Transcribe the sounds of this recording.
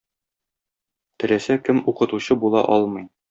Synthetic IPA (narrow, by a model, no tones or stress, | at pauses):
t̪ɘ̆læsækɘmuqɤ̆t̪uɕɤbulˠɑ̰ʔɒlˠmɤ̆j